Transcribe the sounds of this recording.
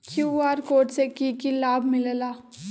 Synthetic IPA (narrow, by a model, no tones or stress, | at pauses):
kʰjuːaːɾkoːʈsekikilaːbʱmɪllaː